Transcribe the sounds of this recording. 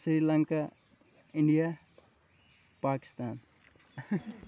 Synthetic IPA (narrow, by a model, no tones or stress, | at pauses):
sɾiːɾlãŋka | ɪ̃ɳɖija | paːkɪ̥st̪aːn